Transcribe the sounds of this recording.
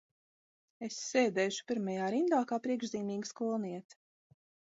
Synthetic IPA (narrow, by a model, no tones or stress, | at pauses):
esːeːd̪ɛːʃu̥piɾmajaːɾind̪aːkaːpɾiɛɡʒziːmiːɡskulˠniɛt̪